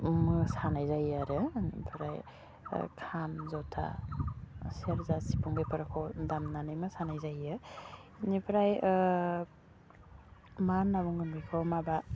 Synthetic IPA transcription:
mɯsanajzajaɾɯnḭpʰɾaj̰ | kʰamzɔtʰa̰ | seɾzasipʰuŋbejpʰɯɾakʰɔdamnanɯjmɯsanajzajɯ | nipʰɾaj | maɾnabuŋɯmbikʰawmaba

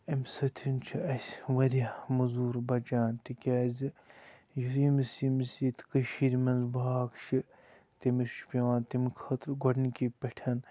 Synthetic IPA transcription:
ɐmʲsɐt̪ʰimt͡ʃʰiɐsʲʋɐɾʲjamuzuːɾbɐt͡ʃaːnt̪ikʲaːzɨ | jiɾiːmisimisiːt̪kɨʃiːɾʲmɐnzbaːkt͡ʃʰi | t̪imiɾʃu̥pʲiʋaːnt̪imkʰɐːt̪ɾɡoɽnikʲipʲɐʈʰɐn

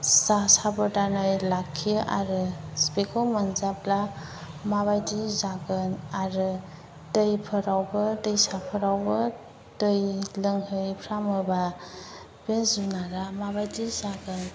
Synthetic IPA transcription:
sasabɯdanɯjlakʰːijɯʔa̰ɾɯspekʰɔwmɯnzapla | maβajdizaɡɯnaɾɯ | tɯjpʰɯɾawbɯtɯjsapʰɯɾawbɯ | tɯjlɯŋɦɯjpʰɾamɯba | bensunaɾamabajdizaɡɯn

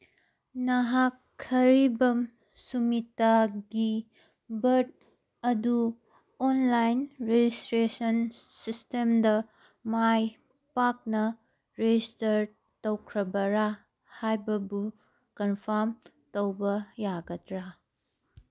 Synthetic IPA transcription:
nɐɦakʰːɐɾibɐm | sumitːaɡi | bɐɾt̚ | ɐdu | onlajnɾed͡ʒistɾesɐnsistemdɐ | maj | pak̚nɐ | ɾed͡ʒistɐɾ | tɐwkʰɾɐbɐɾa | hajbɐbu | kɐnpʰaɾm | tɐwbɐjaɡɐtɾa

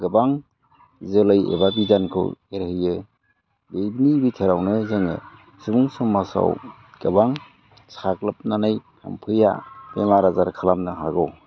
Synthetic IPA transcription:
ɡɯbaŋ | zɯlɯjḛbabizankʰɯ̰weɾhɯjɯ | bejbinibitʰeɾawnɯzeŋɯ̰ | subuŋsumːasa̰w | ɡ̥ɯbaŋ | saklɯp̚nanɯjha̰mpʰɯja̰beŋlaɾazaɾkʰalamnɯɦaɡɔw

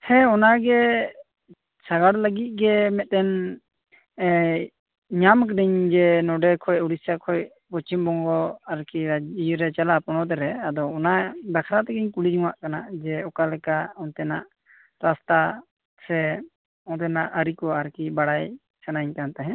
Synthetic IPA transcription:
hɛɔnaɡɛ | saɡaɽləɡit̪̚ˀɡɛmɛt̪̚ˀɛn | ɲamkɖiɲd͡ʒɛnɔɖɛkʰɔjɔɽisakʰɔj | pɔt͡ʃimbɔŋɡɔaɾkijɾɛt͡ʃalapɔnɔt̪̬ɛɾɛad̪ɔɔnad̪akʰɾat̪ɛɡɛɲkuɽid͡ʒuwaʔkanad͡ʒɛɔkalɛkaɔnt̪ɛnaʔ | ɾast̪a | sɛ | ɔnt̪ɛnaʔəɾikɔaɾkibaɽaj | sanaɲkant̪aɦɛ̃

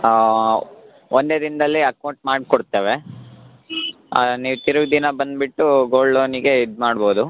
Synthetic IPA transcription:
ond̪e̞ːd̪ind̪ɐlːiɐkɐuɳʈmaːɽkɔɽt̪ːeːʋe | niːʋt̪iɾuɡd̪inɐbɐnd̪biʈːuɡoːlːoːniɡe̞id̪maːɽboːd̪u

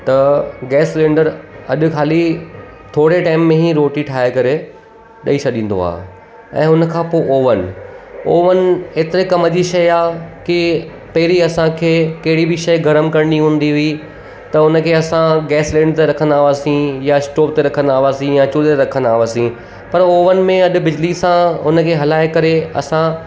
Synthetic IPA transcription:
t̪ɐɡɛːslẽːɳɖəɾɐɗʊ̆kʰaːli | t̪ʰoːɽeʈaːɪmːẽɦiɾoːʈiʈʰaːɦekɐɾe | ɗɐit͡ɕʰɐɗĩːn̆d̪o̰a̰ː | ɛ̰̃ːʊnə̆kʰãːpoːʔoːʋənoːʋəneːt̪ɪɾekɐməd͡ʑiʃɐjaːkɪ | pɐɦɪɾiɐsãkʰeːkɐɦɪɽibɪʃɐjɡʱɐɾəmkɐɾ̃niɦũːnd̪iɦʊi | t̪ɐʊnə̆kʰeːɐsãɡɛːslẽːɳɖt̪eɾɐkʰə̃nd̪aːɦʊʋaːsĩjaɪsʈoːp̚t̪eɾɐkʰə̃nd̪aːʊʋaːsĩjat͡ɕʊɾt̪eɾɐkʰə̃nd̪aːɦʋaːsĩ | pɐɾoːʋənmẽɐɗʊ̆bɪd͡ʑlisãɦʊnə̆kʰeːɦɐlaːɪkɐɾeɐ̰sã

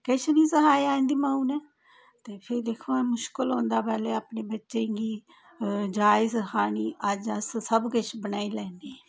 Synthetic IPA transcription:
kɪt͡ʃʰniːsəɦaːiãːnd̪iːmãːũːnɛ̃ː | t̪eːpʰɪɾd̪ɪkʰoːmʊʃkəlõːnd̪aːpɛːleːaːpneːbətːʃẽːɡiː | d͡ʒaːɪzkaːniːʔəd͡ʒəssəbkɪt͡ʃʰbənaːiːlɛ̃ːnd̪iː

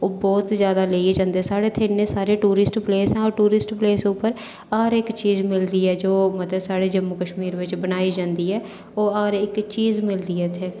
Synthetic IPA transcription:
oːbɔːt̪zjaːd̪aːleːd͡ʒãːnd̪eɛsaːɽeːt̪ʰenːeːsaːɾeʈuːɾɪsʈpleːsɛ̃ːɔːɾʈuːɾɪsʈpleːsʊpəɾ | aːɾɪkt͡ʃiːzmɪld̪iːɦɛːd͡ʒoːmət̪əsaːɽeːd͡ʒəmːukəʃmiːɾʋɪt͡ʃbənaːid͡ʒãːnd̪iːɦɛː | oːaːɾɪkt͡ʃiːzmɪld̪iːɦɛːt̪ʰeː

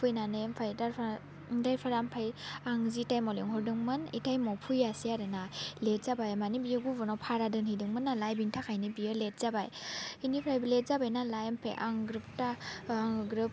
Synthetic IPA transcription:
pʰujnanempʰajdaɾpʰ | dajpʰaɾampʰajaŋzitajmɔliŋɦɔɾdɯŋmɯnḭtʰajmɔpʰujasiaɾɯnalet̚z̥abajamanibijɯɡubɔnɔpʰaɾadɯnhidɯŋmɯnːalajbintʰakʰajnibijɯlet̚z̥abajinipʰɾajbilet̚zabajnalajmpʰḛʔaŋɡɾup̚taːŋɡɾɯp̚

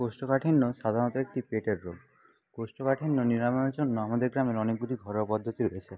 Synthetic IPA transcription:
kosʈɔkaʈʰinːɔʃad̪ʱaɾnɔt̪ɔek̚t̪ipeʈeɾːom | kosʈɔkaʈʰinːɔniɾamɔnɔd͡ʒonːɔamad̪eɾɡɾameɾɔnikuɾiɡʱɔɾɔpɔd̪ʱːɔt̪iɾoet͡ʃʰe

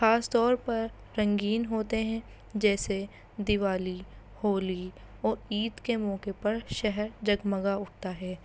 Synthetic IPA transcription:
xaːst̪ɔːɾpɐɾː | ɐ̃ŋɡiːnɦoːt̪eɦɛ̃ | d͡ʒɛːse | d̪ɪʋaːli | hoːli | ɔːɾiːd̪kemɔːkepɐɾʃɛɦɛɾd͡ʒɐɡməɡaʊʈ̚ʰt̪aɦɛː

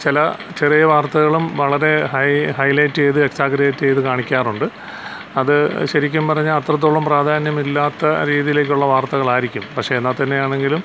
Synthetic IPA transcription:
t͡ɕilɐt͡ɕerijɐʋaːrt̪ɐɣɐɭumʋɐɭɐɾe̞hɐjhɐjlɐjtːejðɨeksaːɡɐɾejtːejðɨkaːɳikʲːaːruɳɖɨ | ɐðɨɕɐɾikʲːumpɐrɐɲːalɐt̪rɐt̪̬ːoːɭɐmpraːd̪ʱaːnjɐmilːaːt̪ːɐɾiːðijile̞ːk̬ʲːuɭːɐʋaːrt̪ɐɣɐɭaːjiɾikʲːumpɐkʂe̞ːnːaːt̪ːɐnːe̞jaːɳe̞ŋɡilum

